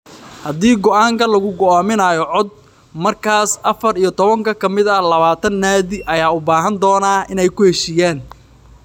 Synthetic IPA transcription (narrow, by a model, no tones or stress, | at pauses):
hɐd̪iːɡɔʔaːŋkʰɐlɐɣʊɡɔaːmɪnaːjɔʕɔd̪̚ | mɐrkʰaːsʔɐfɐrijɞt̪ʰɔβɐŋkʰɐkʰɐmɪðɐlɐβaːt̪ʰɐnːaːðɪʔɐjaːʊbaːɦɐnd̪ɔːnaːɪnɛjkʰʊhɛʃiːjaːn